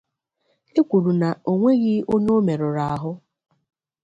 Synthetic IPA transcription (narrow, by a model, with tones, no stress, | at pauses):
e˦kʷu˨ɾu˨na˨o˨ŋʷe˦ɣɪ˦o˦ɲo˦me˨ɾʊ˨ɾa˨a˨ɦʊ˦